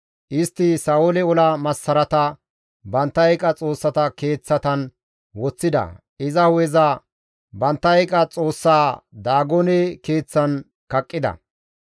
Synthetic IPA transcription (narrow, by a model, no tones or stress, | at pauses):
ʔɪst̪ːɪsaːɔlɛɔlɐmɐsːɐɾɐt̪ɐ | bɐnt̪ːɐɛkʼɐt͡sʼo̞ːsːɐt̪ɐke̞ːt͡sːɐt̪ɐn | wɔt͡sːɪd̪ɐ̰ | ɪzɐhʊɛzɐ | bɐnt̪ːɐɛkʼɐt͡sʼo̞ːsːaːd̪aːɡɔnɛke̞ːt͡sːɐn | kɐkʼːɪd̪ɐ̰